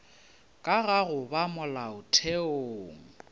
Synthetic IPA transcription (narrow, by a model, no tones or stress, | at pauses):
kʼaɣaɣʊbamʊlaʊtʰeoːŋ̩